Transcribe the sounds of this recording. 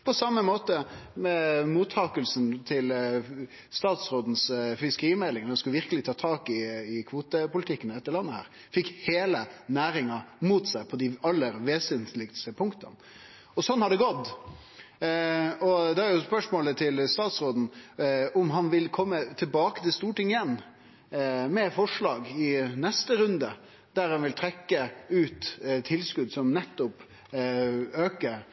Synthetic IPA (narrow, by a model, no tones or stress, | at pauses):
pʰɔsɑmːəmoːt̪əmɛmuːt̪ʰːɑːkəlsənt̪ʰɪl | st̪ɑːt̪sɾoːd̪n̩sfɪskəɾiːmɛlːɪŋnd̪skʉlʋɪɾkəlɪt̪ʰɑːt̪ʰɑːkɪːkʰʋuːt̪əpʊlɪt̪ʰɪkːənɛt̪ːəɾɭɑnːəhæ̰ːɾ | fɪkːheːlənæːɾɪŋɑmuːt̪sæɪpʰɔd̪ɪɑlːəɾʋeːsənt̪lɪk̪st̪əpʰʊŋkt̪ɑ̰n | ɔsɔnːhɑɾd̪ɛɡɔt̪ː | ɔd̪ɛæɾjʊspœʂmoːlət̪ʰɪlst̪ɑːt̪sɾoːd̪n̩ʊmɦɑnʋɪlkʰɔmːət̪ʰɪlbɑːkə̥t̪ɪlst̪uːʈɪŋɪjɛnː | mɛfɔʂɭɑːɡɪnɛst̪əɾʉnd̪ə | d̪̥æɾhɑnʋɪlt̪ʰɾɛkːəʉːt̪t̪ʰːɪlskʉd̪sɔmnɛt̪ːʊp | øːkəɾ